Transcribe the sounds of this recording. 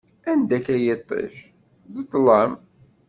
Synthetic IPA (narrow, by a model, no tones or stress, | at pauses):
ænd̪ækæjɪt̪ˤːḛʃ | ðət̪ˤːləm